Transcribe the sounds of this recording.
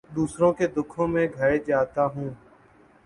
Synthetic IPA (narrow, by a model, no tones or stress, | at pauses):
d̪uːsɾõːkeːd̪ʊkʰõːmẽːɡʱəɾeːd͡ʒaːt̪aːɦũː